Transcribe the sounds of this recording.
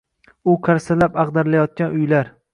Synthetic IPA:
ʊqʰaɾsalapɑqd̪aɾlajɒt̪̚kʲanʊjlaɾ

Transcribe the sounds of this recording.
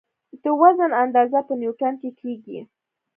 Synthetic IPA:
t̪əwazanand̪ɑzapənjuʈankekʰeɡḭ

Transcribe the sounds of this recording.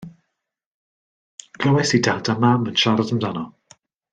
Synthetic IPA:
ɡ̥ləwɛsidadamamənʃaɾɔðəmdanɔ

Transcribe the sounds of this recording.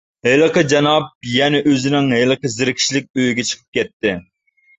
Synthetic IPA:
ɦelˠəqəd͡ʒɑnɑp̚jɛnɛʔøzɪnɪŋɦelˠəqəzɪɾɪkʲʰi̥ʃlɪk̚ʲøjyɡʲɛt͡ʃʰə̥qʰə̥p̚kʲɛt̪ːɪ

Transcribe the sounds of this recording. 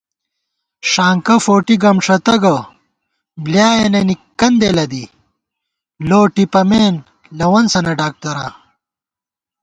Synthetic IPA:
ʂaːŋkɐfoːʈiɡɐmʂɐt̪ɐɡɐ | bljaːjenenikːɐnd̪elɐd̪i | loːʈipɐmeːn | lɐwɐnsɐnɐɖaːk̚t̪ɐɾa̰ː

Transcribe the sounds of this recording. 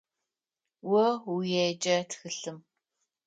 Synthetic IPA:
wɔujeːd͡ʒɐtxɨɬɨm

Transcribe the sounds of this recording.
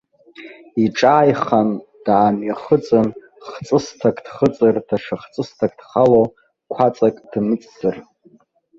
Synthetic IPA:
iʈ͡ʂʼaːjχand̥aːmɥaχət͡sʼɨn | χt͡sʼɨstʰakʼd̥χət͡sʼɨrdʰaʂaχt͡sʼɨstʰakʼdχalo | kʷʰat͡sʼakʼd̥mɨt͡sʼzɨr

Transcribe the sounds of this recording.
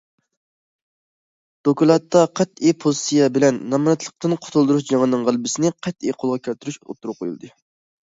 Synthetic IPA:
d̪̥okulˠɑt̪ːɑqʰɛt̪ijpʰozsijɛbɪlɛnːɑmnɛt̪lˠə̥q̚t̪ɨnqʰo̥t̪ʰulˠd̪uɾuʃd͡ʒɑŋɨnɨŋʁælˠbɪsɪnɪqʰɛt̪ijqʰolˠʁɑkʲʰølt̪yɾyʃo̰t̪ʰːuɾuqʰo̰jṵlˠd̪ɨ

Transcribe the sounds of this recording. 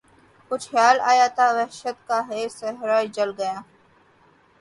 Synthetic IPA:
kʊt͡ʃʰxjaːla̰ːjaːt̪aːʋɛɦʃət̪kaːɦeːsəɦɾaːid͡ʒəlɡəjãː

